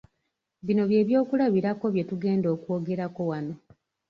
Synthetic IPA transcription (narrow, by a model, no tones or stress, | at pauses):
βino̞βje̞ːβjo̞ːkulaβiɾako̞βje̞tuɡe̞ːndo̞ːkwo̞ɡe̞ɾako̞wano̞